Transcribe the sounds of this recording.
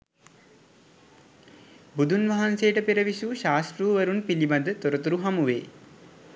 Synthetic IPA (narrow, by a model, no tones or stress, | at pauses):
bud̪ʱunʋaɦanseːʈəpeɾəʋisuːʃaːsʈɾuːʋɐɾunpilibad̪ət̪oɾət̪uɾuɦamuʋḛː